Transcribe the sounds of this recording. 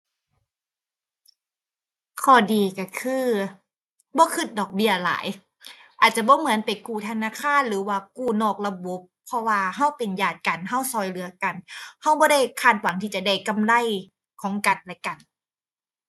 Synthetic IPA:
kʰɔː˧˩diː˨ka˧˩kʰɯː˧ | bɔː˧˦kʰɯ˧˩t̪̚dɔː˨˩k̚bi˧˩ɐla̰ː˨˩˦j | ʔaː˨˩t̪̚t͡ɕa˧˨bɔː˧˦mɯ˩˦ə˦npa˨jkuː˧˩t̪ʰa˧naː˧˨kʰaː˧˥˨nlɯː˨˦waː˧˩kuː˧˩nɔː˧˩k̚la˧bo˧˦pʰːɔ˧waː˧ɦa˧˥˩wpe˨njaː˨˩t̪̚ka˨˩nɦa˧˥˩wsɔː˧˩jlɯ˨˩˦ɐka˨˩nha˧˩wbɔː˧˦ɾa˥˩˨jkʰaː˧˩t̪̚wa˨˩˦ŋt̪ʰiː˧˩t͡ɕa˧da˧˩jka˧˨mla˧˩˨j | kʰɔː˨˦ŋka˨˩nlɛ˧˦ka˨˩n

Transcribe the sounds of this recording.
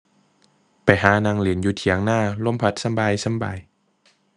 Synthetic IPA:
pa˨jɦaː˨˩˦naː˧ŋli˨˩˦ənjuː˨˦t̪ʰi˨˩˦əŋnaː˥˩lo˧˥˨mpʰa˨˧˩t̪̚sa˧˦mbaː˧jsa˧˥˦mba̰ː˧j

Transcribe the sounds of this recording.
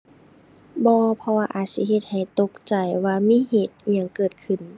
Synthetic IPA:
bɔː˧pʰɔ˧waː˧ʔaː˨˩t̪̚si˧˦he˧t̪̚ha˨˩jt̪o˧˦k̚t͡ɕa˨˩jwaː˧miː˧˥˨heː˧˩t̪̚ɲaː˧˩ŋkɤː˨˩t̪̚kʰɯ˨˩n

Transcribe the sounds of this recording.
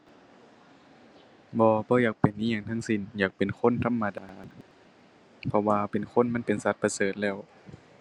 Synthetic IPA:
bɔː˧bɔː˧˦jaː˨˩k̚pe˨˩nʔiː˧˨ɲaː˧˩ŋt̪ʰaː˧˥˨ŋsi˧˩njaː˨˩k̚pe˨˩nkʰo˧˥˨nt̪ʰa˧˥˨mːa˧daː˨ | pʰɔ˧waː˧pe˨˩nkʰo˧˥˨nma˧˥˨npe˨nsa˧˦t̪̚pa˧sɤː˨˩t̪̚lɛː˧˥˩w

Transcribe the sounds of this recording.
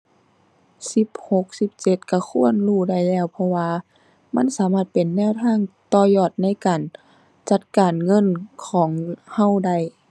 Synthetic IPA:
si˧˦p̚ho˧˦k̚si˧˦p̚t͡ɕe˧˥t̪̚ka˧˩xʰu˧˥˨ənluː˧˩da˧˩jlɛː˧˥˨wpʰɔ˧waː˧ | ma˧˥˨nsaː˨˦maː˧˩t̪̚pe˨˩nːɛː˧˨wt̪ʰaː˧˥˨ŋt̪ɔː˧˩jɔː˧˩t̪̚na˧˥˨jkaː˨˩n | t͡ɕa˧t̪̚kaː˨nŋɤ˧˥˨nkʰɔː˩˦ŋha˧˥˩wda˧˩j

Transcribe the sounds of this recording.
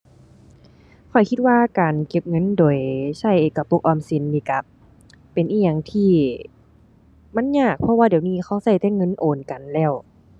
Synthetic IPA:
kʰɔ˨˩jkʰi˧t̪̚waː˧kaː˨nke˧˩p̚ŋɤ˧˥˨ndoː˨˩jsa˧˩jʔeː˨˧˩kːa˧˩po˧˦k̚ʔɔː˧˨msi˧˩˨nliː˧˩ka˧˦pː | e˨nʔiː˧˩ɲa˧˩˨ŋt̪ʰiː˧˩ | ma˧˥˨ɲaː˧˩k̚pʰɔ˧˦waː˧di˨˩˨wniː˧˥˨xʰa˧˩˨wsa˧˩jt̪ɛː˧˥˨ŋɤ˧˥˨nʔoː˨nka˨˩nlɛː˧˩˨w

